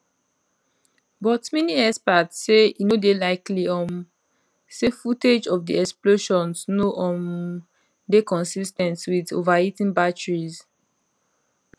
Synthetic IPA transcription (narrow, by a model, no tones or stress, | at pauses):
bɔtmɛniɛspatssːeinodelaɪkliɔ̃m | sefuted͡ʒɔvdiɛksploʃɔ̃nsnoʔɔ̃m | dekɔ̃nsistɛ̃ntwido̰vaitĩnbat͡ʃɹiz